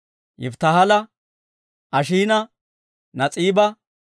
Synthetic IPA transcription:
jɪ̰ft̪ɐhɐlɐ | ʔɐʃiːnɐ | nɐt͡sʼiːbɐ

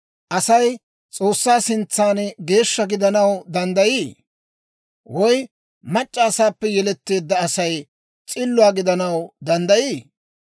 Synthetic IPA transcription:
ʔɐsɐj | t͡sʼo̞ːsːaːsɪnt͡sːaːnɡe̞ːʃːɐɡɪd̪ɐnɐwd̪ɐnd̪ɐjiː | wɔj | mɐt͡ʃʼːaːsaːpːɛjɛlɛt̪ːe̞ːd̪ːɐːsɐj | t͡sʼɪlːʊaːɡɪd̪ɐnɐwd̪ɐnd̪ɐjiː

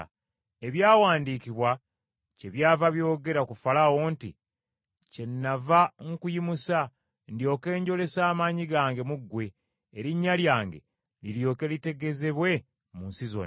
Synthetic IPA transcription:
e̞βjaːwaːndiːkiβwa | ce̞βjaːvaβjo̞ːɡe̞ɾakufalawo̞ntḭ | ce̞nːavaŋkujimusa | ndjo̞ːke̞ːɲɟo̞le̞saːmaɲiɡaːŋɡe̞muɡːwe̞ː | ɾiɲːaljaːŋɡe̞̰ | liljo̞ːke̞lite̞ɡe̞ze̞βwe̞ | munsizo̰n

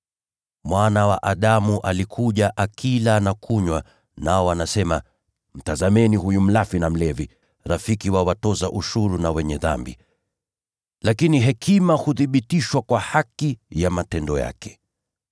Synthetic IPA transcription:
mwanawaʔaɗamuʔalikʰuʄaʔakʰilanakʰuɲwa | naɔanasɛma | m̩tazamɛniɦujum̩lafinam̩lɛvi | ɾafikiwawatɔzaʔuʃuɾunawɛɲɛða̰mbḭ | lakiniɦɛkʰimahuðiɓitiʃwakwahakijamatɛndɔja̰kɛ̥

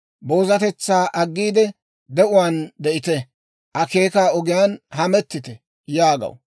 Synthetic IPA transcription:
bo̞ːzɐt̪ɛt͡sːaːʔɐɡːiːd̪ɛ | d̪ɛʔʊwaːnd̪ɛʔɪt̪ɛ | ʔɐke̞ːkaːɔɡɪjaːnɦɐmɛt̪ːɪt̪ɛ | jaːɡɐ̰w

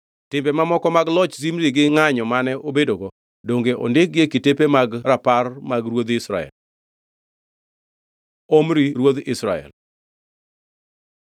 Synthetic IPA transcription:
tɪmbɛmamɔkɔmaɡlɔt͡ʃsimɾiɡɪŋaɲɔmanɛʔobedoɡɔ | doŋɡeʔo̰ndɪk̚ɡekitepemaɡɾaparmaɡɾwod̪ɪsɾa̰ɛ̰l | omɾiɾwod̪ɪsɾaɛ̰l

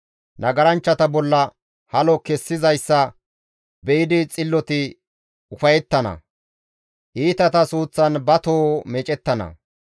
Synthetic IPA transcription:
nɐɡɐɾɐnt͡ʃːɐt̪ɐbɔlːɐ | hɐlɔkɛsːɪzɐjsːɐ | bɛɪd̪ɪt͡sʼɪlːɔt̪ɪ | ʊfɐjɛt̪ːɐnɐ̰ | ʔiːt̪ɐt̪ɐsuːt͡sːɐnbɐt̪oːmɛt͡ʃʼɛt̪ːɐnɐ̰

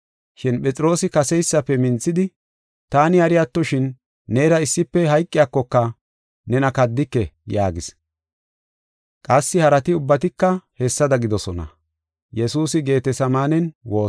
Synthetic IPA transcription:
ʃɪnpʼɛt͡sʼɪɾo̞ːsɪkɐsɛjsːɐpːɛmɪnt͡sːɪd̪ɪ | t̪aːnɪɐɾɪjat̪ːɔʃɪnː | eːɾɐɪsːɪpːɛɦɐjkʼːɪjaːkːɔkːɐ | nɛnɐkɐd̪ːɪkːɛjaːɡɪs | kʼɐsːɪhɐɾɐt̪ɪʊbːɐt̪ɪkːɐhɛsːɐd̪ɐɡɪd̪ɔsɔnɐ̰ | jɛsuːsɪɡe̞ːt̪ɛsɐmaːnɛnwo̞ː

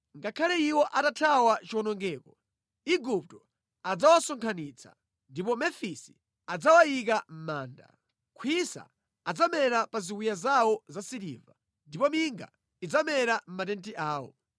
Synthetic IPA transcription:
ŋɡakʰalɛiwɔʔatatʰawat͡ʃiwɔnɔŋɡɛːkɔ | iɡup̚tɔ | ad͡zawasɔŋkʰaniːt͡sʰa̰ | ndipɔmɛfisi̥ | ad͡zawajik̬am̩maːnda̰ | kʰwisa̰ː | d͡zamɛɾapaziwijazawɔzasiɾḭva | ndipɔmiŋɡa̰ | id͡zamɛɾam̩matɛntiʔaːwɔ̰

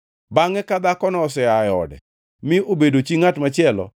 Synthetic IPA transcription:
baŋɛkad̪akɔnɔɔsɛajɔ̰dɛ̰ | mɪobedot͡ʃiŋatmat͡ʃɪɛlɔ̰

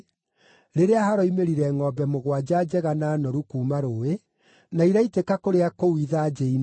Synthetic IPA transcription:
ɾeɾeahaɾɔimeɾiɾɛŋɔbɛmoɣwad͡ʑad͡ʑɛɣanaːnɔɾukuːmaɾoːe | naiɾaitekakoɾeakowiðad͡ʑɛin

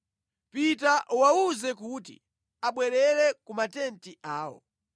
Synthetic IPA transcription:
pitaʔwauzɛkutḭ | aɓwɛɾɛlɛkumatɛntiʔaːwɔ̰

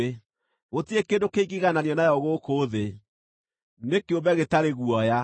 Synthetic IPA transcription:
e | ɣotiekendokeiɡiɣananjɔnajɔɣokoːðe | nekeobɛɣetaɾeɣuɔja

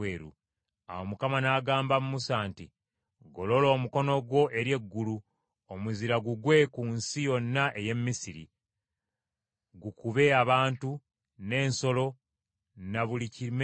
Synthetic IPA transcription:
eːɾṵ | a̰womukamanaːɡaːmbamumusaːnti | ɡo̞lo̞lo̞ːmuko̞no̞ɡwo̞ʔe̞ɾje̞ɡːulu | omuziɾaɡuɡwe̞kuːnsijo̞nːaʔe̞je̞mːisiɾḭ | ɡukuβe̞aβaːntu | ne̞ːnso̞lo̞ | naβulicim

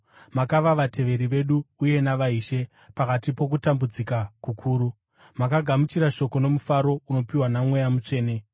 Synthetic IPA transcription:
makaʋaʋatʰe̞ʋe̞ɾiʋe̞ɗuːje̞naʋaiːʃe̞ | pakatipo̞k̬utambud͡zikakukʰuːɾu | makaɡʱamut͡ʃiɾaʃo̞ko̞no̞mufaɾo̞uno̞piwanamwe̞jamut͡ʂe̞ːne̞

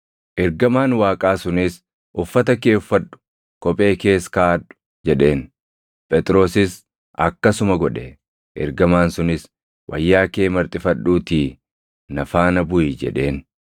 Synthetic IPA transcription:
ʔɛɾɡɐmaːnwaːkʼaːsʊnɪs | ʔʊfːɐt̪ɐke̞ːʊfːɐᶑʊ̥ | kɔpʼe̞ːke̞ːskaːᶑʊ̥ | d͡ʒɛᶑe̞ːn | pʼɛt̪ʼɾo̞ːsɪs | ʔɐkːɐsʊmɐɡɔᶑɛ | ʔɛ̰ɾɡɐmaːnsʊnɪs | wʔɐ̰jːaːkeːmɐɾt̪ʼɪfɐɗːuːt̪iː | nɐfaːnɐbʊid͡ʒɛ̰ᶑe̞ːn

